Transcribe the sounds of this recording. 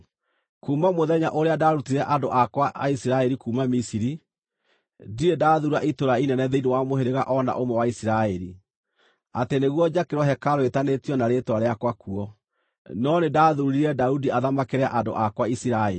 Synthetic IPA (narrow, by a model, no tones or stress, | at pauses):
kuːmamoðɛɲaʔoɾeadaːɾutiɾɛʔandoʔakwaisiɾaɛɾikuːmamisiɾi | diɾedaːðuɾaʔitoɾainɛnɛðeinewamoheɾeɣa̰ʔɔna̰ʔomɛwaisiɾaɛɾi | ateneɣwɔd͡ʒakeɾɔɦɛkaɾowetanetiɔnaɾetwaɾeakwakuɔ | nɔnedaːðuɾiɾɛdaudiaðamakeɾea̰ʔado̰ʔakwaisiɾaɛ̰i